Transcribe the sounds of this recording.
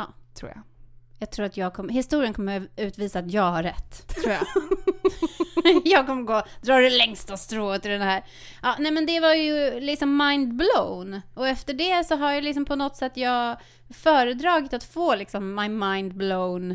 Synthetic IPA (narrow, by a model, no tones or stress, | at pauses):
ɑ̰ːt̪ʰɾṵːja̰jɑːɡ̚t̪ʰɾuːɾat̪jɑːɡ̚kʰɔmːəɦɪst̪uːɾɪənkɔmːəʉ̟ːt̪viːsaːt̪jɑːɡhaɾːɛt̪ːʰɾuːja̰ | jɑːɡ̚kɔmːəɾɡoːd̪ɾɑːɖɵlɛŋst̪ast̪ɾoːt̪ɪld̪ɛnhæːɾ | ʔɑːnɛmɛnd̪ɛvajɵlɪksɔmːaɪnd̪blownɔɛft̪əɖɛsɔɦaɾjalɪksɔmpʰɔnɔt̪ːsɛt̪ːjɑːɡ | fœːɾəd̪ɾɑːɡɪt̪at̪foːlɪksɔmːajmajnd̪̚bloʊn